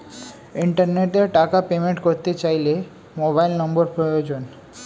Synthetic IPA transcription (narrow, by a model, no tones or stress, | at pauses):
iɳʈaɾneʈeɾʈakapemeɳʈkoɾt̪et͡ɕajle | mobajlnɔmboɾpɾojod͡ʑon